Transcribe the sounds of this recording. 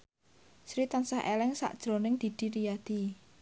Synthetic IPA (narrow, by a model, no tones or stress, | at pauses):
sɾit̪ansahʔelɪŋsa̰ʔd̥ʒ̥ɾonɪŋd̪̥i̤d̪̥i̤ɾijad̪̥i